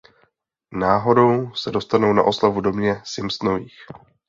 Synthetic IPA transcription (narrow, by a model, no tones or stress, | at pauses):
naːɦo̞do̞wsɛdo̞st̪anowna̰ʔo̞slavudo̞mɲɛsɪmst̪noviːx